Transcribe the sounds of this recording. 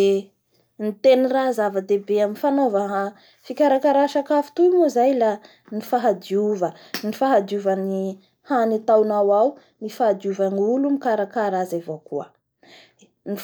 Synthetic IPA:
e | nit̪enirazavəd̪ebeaminfanovəɦa | fikʲaɾakaɾaʃakafu̥t̪uimuzajla | nifaɦad̪iuvənifaɦad̪iuvani | hanit̪awnawaw | mifaad̪iuvaniulumikaɾakaɾazavokuə | ni

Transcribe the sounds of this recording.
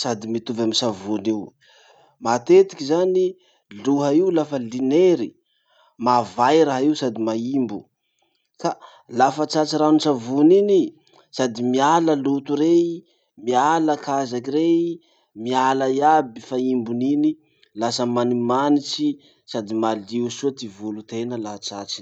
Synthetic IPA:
sad̪imit̪uvamisavuniw | mat̪et̪i̥kʲizani | luɦəiulafəlineɾi | mavajɾaɦiwsad̪imaimbu | ka | lafət͡ʃat͡ʃiɾanisavunini | sad̪imialəlut̪uɾe | mialakʰazakiɾe | mialajabifaimbunini | lasəmanimanit͡ʃi | sad̪imaliusuat̪ivulut̪enəlaɦat͡ʃat͡ʃi̥

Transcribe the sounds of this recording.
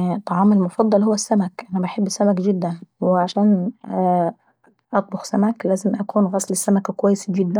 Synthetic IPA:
t̪ːˤɑʕɑːmelmofɑd̪ˤːɑlhowːæsːæmækʔænæbaħebːsæmækɡɪd̪ːænweʕaʃæːn | ʔɑt̪ˤloxsæmæklæːzɪmʔækuːnɣɑsˤlɪsːæmækækowæjːesɡɪd̪ːæ

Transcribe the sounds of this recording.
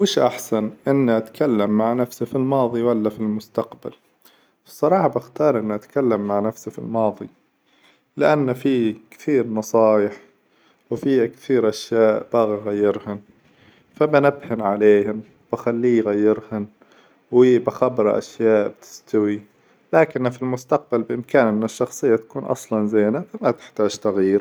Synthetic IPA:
wɪːʃʔaħsanʔɪnːʔat̪kʰalːamːaʕnafsifilmɑːðˤiwalːafilmʊst̪aqba̰l | sˤːɑɾˤɑːħɑbɪxt̪ɑːɾˤʔɪnːʔat̪kalːamːaʕnafsifḭlmɑːðˤi | lɪʔanːfikθiːɾnɑsˤɑːjɪħ | wfiːakθiːɾʔaʃjaːʔb̥aːɣiɣajːɪɾhʊn | fabanabhɪnʕaleːhɪm | b̥axalːiːjɣajːɪɾhan | wibaxabɾˤʔa̰ʃjaːʔbt̪ʰɪ̥st̪awi | laːkɪnːfilmʊst̪aq̚balbɪʔɪmkaːnmɪnɪʃːɑxsˤɨjːat̪ḁkuːnʔɑ̰sˤlɑnzeːnafamat̪ɪ̥ħt̪aːʒt̪aɣiːɾ

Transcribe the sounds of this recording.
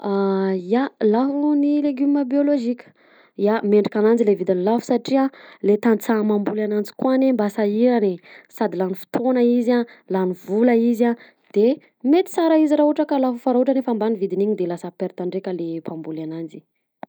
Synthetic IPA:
aalaɦunileɡyməbioloʒikʲə̥ | jameɳɖ͡ʐikʲanand͡zilevid̪inilafu̥saʈ͡ʂiãlet̪ant͡samambulanand͡zi̥kwanembasaiɾanesad̪ilanifi̥t̪onaizãlanivuləizã | d̪̥e | met̪i̥saɾaiziraɦuʈ͡ʂəkalafufaɾaɦuʈ͡ʂanefambanivid̪iniɲid̪elasapeɾt̪aɳɖ͡ʐekalepambulanand͡zi

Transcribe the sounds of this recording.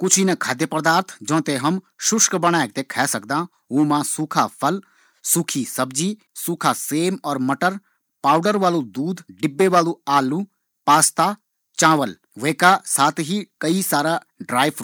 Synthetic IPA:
kʊt͡ʃʰinɐkʰaːd̪jəpəɾd̪aːɾt̪ʰd͡ʒɔ̃ːt̪eɦɐm | ʃʊʃkbəɽ̃aːek̚t̪ekʰɛːsək̚d̪ãː | ũːmãːsuːkʰapʰəl | suːkʰisɐbd͡ʒi | suːkʰaseːmɔːɾmɐʈəɾ | paːʊɖəɾʋaːlud̪uːd̪ɖɪbːeʋaːluaːluː | paːst̪a | t͡ʃãːʋəl | ʋeːkasaːt̪ʰɦikəisaːɾa | ɖɾaːjp

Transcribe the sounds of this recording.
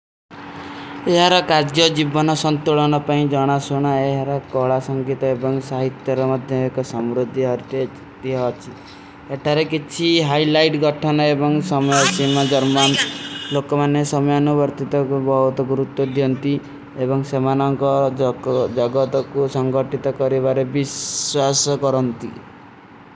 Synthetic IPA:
eɦaɾɔkaɾd͡ʒjɔd͡ʒibɔnɔsɔnt̪uɭɔnɔpaĩd͡ʒɔɽ̃asoɽ̃aeɦaɾɔkɔɭasɔŋɡit̪ɔebɔŋsaɦit̪jɔɾɔmɔd̪ʱjɔekɔsɔmɾod̪ʱiɦɔɾt̪e | t̪iɦɔt͡ʃʰi | eʈʰaɾekit͡ʃʰiɦajlajʈɡɔʈʰɔnɔebɔŋsɔmɔjɔsimad͡ʒɔɾmanlokɔmanesɔmɔjɔnubɔɾt̪it̪ɔkubɔɦut̪ɔɡuɾut̪wɔd̪jɔnt̪i | ebɔŋsemanɔŋkɔ | d͡ʒɔɡɔt̪ɔkusɔŋɡɔʈit̪ɔkɔɾibaɾebiswasɔkɔɾɔnt̪ḭ

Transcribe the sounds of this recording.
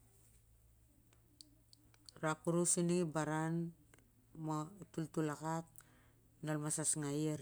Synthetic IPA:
ɾakuɾusiniŋibaɾan | maitultulakak̚ | nolmasasŋajeɾ

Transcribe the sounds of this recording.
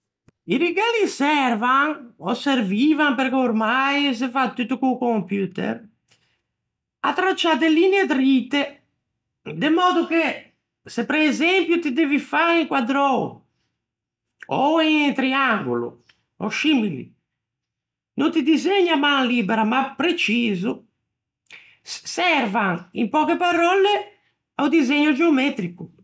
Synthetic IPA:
iɾiɡalisɛɾvaŋɔseɾvivampeɾkeuɾmajs̬efat̪ːut̪ːukukompjuːt̪ḛr | at̪ːɾat͡ʃːat̪elineed̪ɾit̪ːe | d̪emɔːd̪uke | sepɾeːzɛmpjut̪id̪evifaiŋkwad̪ɾɔ | ɔiŋt̪ɾiaŋɡṵlṵ | ɔʃimilḭ | nunt̪id̪izeɲːamaŋliːbɛɾamapːɾet͡ʃiːzu | sɛrvaŋimpɔːkepaɾɔle | awd̪izeɲːud͡ʒeomɛt̪ɾiku

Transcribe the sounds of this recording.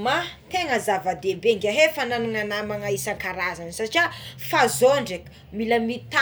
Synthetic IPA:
mat̪eŋəzavad̪ebeŋɡʲaɦefananaŋanamaŋaisaŋkaɾazansaʈ͡ʂafazoɳɖ͡ʐekə̥ | miləmit̪a

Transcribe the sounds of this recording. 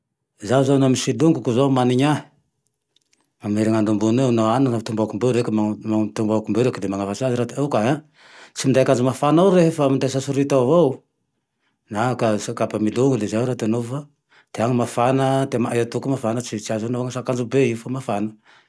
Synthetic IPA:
zawzanamisiluŋɡukuzomaniɲa | mameɾiŋand̪umbunewnaananat̪umbakumbeɾekʲmamat̪umbakumbeɾekilemaŋafat͡saziɾat̪awkaɦa | t͡simind̪ajakand͡ʒumafanawɾeɦfamind̪asasuɾit̪avow | nakasakapamiluŋɡulezaɾat̪anofa | t̪eaŋimafanət̪emaajat̪ukumafanət͡sit͡ʃiazonavaŋasakand͡ʒubeiufamafanə

